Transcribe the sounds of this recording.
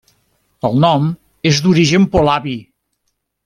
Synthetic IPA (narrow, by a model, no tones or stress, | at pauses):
əlˠnɔm | ezd̪uɾiʒəmpolaβi